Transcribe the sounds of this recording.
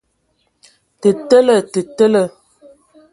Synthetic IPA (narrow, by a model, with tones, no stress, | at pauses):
tə˨tə˦lə˦˨tə˨tə˦lə˦˨